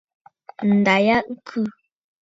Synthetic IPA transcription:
n̩˨da˨ja˦ʔŋ̩˦kʰʉ˦˨

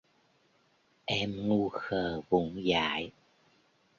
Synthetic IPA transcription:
ʔɛ˧mŋu˧xəː˨˩vʊ̰˧˦ŋ͡mza̰ː˧˩˦j

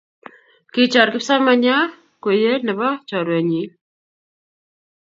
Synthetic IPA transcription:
kɪ˦˨t͡ʃɔ˨ɾkɪ˦psa˦ma˨ɲa˦ | kwe˨je˦nɛ˨ba˦t͡ʃɔ˨ɾwɛ˨ɲi˨˦

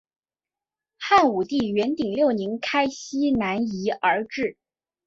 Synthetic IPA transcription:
xa˥˩nu˨˩t̪i˥˩ɥɛ˧˥nt̪i˨˩ŋljo˥˩ʊni˧˥ŋkʰa˥ɪɕi˥na˧˥ni˧˥ə˞˧˥ʈ͡ʂɻ̩˥˩

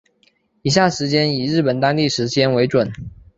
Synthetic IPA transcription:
i˨˩ɕ̬ja˥˩ʂɻ̩˧˥t͡ɕjɛ˥ni˨˩ɻɻ̩˥˩pə˨˩nt̪ɑ˥ŋt̪i˥˩ʂɻ̩˧˥t͡ɕjɛ˥nwe˧ɪʈ͡ʂwə˨˩˦n

